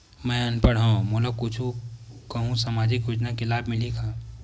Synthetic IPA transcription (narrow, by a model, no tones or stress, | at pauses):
mɛ̃ənpəɽɦãmoləkʊt͡ʃʰukɐɦũsamaːd͡ʒɪkjʊd͡ʒnakelaːbʱmɪlikʰaː